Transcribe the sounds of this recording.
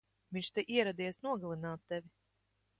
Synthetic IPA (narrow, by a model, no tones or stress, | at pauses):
vʲĩɲʲt͡ʃt̪eʔiɛɾad̪iɛsnuɔɡalˠinaːt̪ːɛvʲi